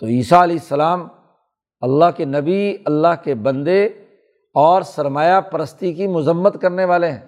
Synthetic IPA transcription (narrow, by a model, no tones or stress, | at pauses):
t̪oiːsaɐlɛːsːɐlaːm | ɐlːaɦkenɐbiɐlːaɦkebɐ̃nd̪e | ɔːɾsɐɾmaːjapɐɾəst̪ikimʊzəmːət̪kɐɾneʋaːleɦɛ̃ː